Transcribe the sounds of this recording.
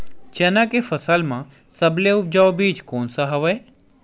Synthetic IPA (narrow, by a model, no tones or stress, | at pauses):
t͡ʃɛːnakefəsaːlmã | səbleʊp̚d͡ʒaːʋobiːd͡ʒkoːnsaɦəʋəe